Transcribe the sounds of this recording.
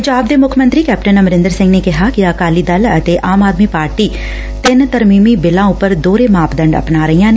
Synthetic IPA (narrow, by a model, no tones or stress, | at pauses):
əɲd͡ʒaːb̚d̪eːmʊkʰmənt̪ɾiːkɛːp̚ʈənəməɾɪ̃nd̪əɾsɪ̃ŋɡneːkɪɦaːkɪəkaːliːd̪ələt̪eːʔaːmaːd̪miːpaːɾʈiː | t̪ɪnt̪əɾmiːmiːbɪlãːʊpəɾd̪oːɾeːmaːpd̪ə̃ɳɖə̰pnaːɾəijãːn